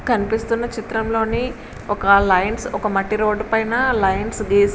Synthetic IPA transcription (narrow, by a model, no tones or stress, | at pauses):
kɐnipist̪unːɐt͡ʃit̪ɾɐmlo̞ːni | ɔkɐlɐjnsɔkɐmɐʈːiɾo̞ːɖpɐjnɐlɐjnsɡeːs